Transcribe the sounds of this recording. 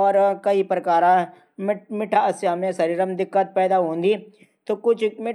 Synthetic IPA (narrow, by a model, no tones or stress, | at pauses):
ɔːɾkɐipɾɐkaːɾã | mɪʈʰaːɐsjamẽsɐɾiːɾəmd̪ɪkːət̪̚pɛːd̪aːɦõːnd̪iː | t̪oːkʊt͡ʃʰmɪ